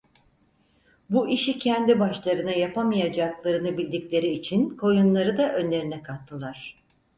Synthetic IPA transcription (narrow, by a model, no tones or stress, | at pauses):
buʔiʃicʰɛnd̪ibaʃlˠaɾɯnajapʰamijad͡ʒaklˠaɾɯnɯbilʲd̪icʲlʲe̞ɾiːt͡ʃʰinkʰo̞junlˠaɾɯd̪aʔø̞nlʲe̞ɾinɛkʰat̪ʰːɯlˠaɾ̝̥